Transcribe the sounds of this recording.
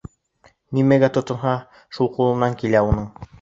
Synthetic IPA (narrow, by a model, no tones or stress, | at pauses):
nimæɡæt̪ŏt̪ɤ̆nɦɑ | ʃulˠqulˠɤ̆nɑŋkilæunɤɴ